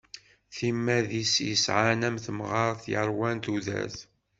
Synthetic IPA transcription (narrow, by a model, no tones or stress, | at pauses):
θimːæðisjəsʕanæmθəmʁɑɾˤθjəɾˤwænt̪uðæ̰θ